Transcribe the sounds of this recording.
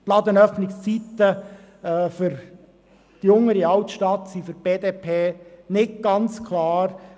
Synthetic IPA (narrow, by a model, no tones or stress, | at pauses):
plɑd̪ənœfnɪkst͡sit̪ə | ɛːfʏɾ | d̪̥iʊŋəɾiɑwtʃtɑt̪sifʏɾb̥eːd̪eːpʰeːnɪt̚ɡ̥ɑnt͡skʰlɑːɾ